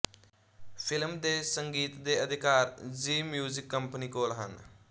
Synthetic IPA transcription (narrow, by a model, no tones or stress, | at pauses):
pʰɪlmd̪eːsəŋɡiːt̪d̪eəd̪ʱɪkaːɾd͡ʒiːmjuːzɪkːəmpənikoːlɦə̰n